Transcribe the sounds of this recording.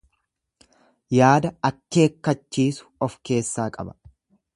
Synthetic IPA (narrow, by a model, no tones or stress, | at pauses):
jaːd̪ɐɐkːe̞ːkːɐt͡ʃːiːsʊ̥ɔfke̞ːsːaːkʼɐbɐ̥